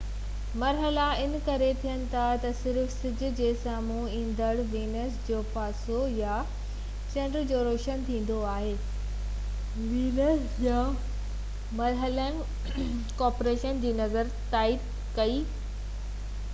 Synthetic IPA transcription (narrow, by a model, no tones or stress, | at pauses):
mɐɾɦəlaɪnkɐɾet̪ʰijənɪ̆t̪ʰat̪ɐsɪɾfsɪd͡ʑʱʊ̆d͡ʑeːsaːmu | ĩːnd̪əɽʋiːnəsd͡ʑoːpaːsoja | t͡ɕɐ̃ɳɖɾd͡ʑoːɾoːʃənt̪ʰĩːn̆d̪oaːɦeː | ʋiːnəs | ja | mɐɾɦələnɪ̆ | kɔːɾpoɾeːʃənd͡ʑiːnɐzəɾt̪aːid̪̚ | kɐiː